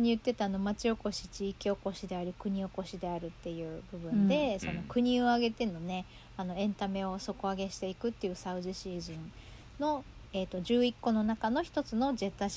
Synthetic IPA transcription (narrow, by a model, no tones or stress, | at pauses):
ɲ̟iɯ̟t̪ːe̞t̪aano̞mat͡ɕio̞ko̞ɕi̥t͡ɕiːkʲio̞ko̞ɕid̪e̞aɾʲikɯ̟ɲ̟io̞ko̞ɕid̪e̞aɾɯ̟t̪ːe̞jɯ̟ːbɯ̟bɯ̟̃nd̪e̞so̞no̞kɯ̟ɲ̟io̞aɡe̞t̪e̞no̞ne̞ | ano̞ẽ̞nt̪ame̞o̞so̞ko̞aɡe̞ɕi̥t̪e̞ikɯ̟t̪ːe̞jɯ̟saɯ̟ʑiɕiːʑĩn | no̞ | e̞ːt̪ːo̞ʑɨːikːo̞no̞nakano̞çi̥t̪o̞t͡sɨno̞d͡ʑe̞t̪ːaɕ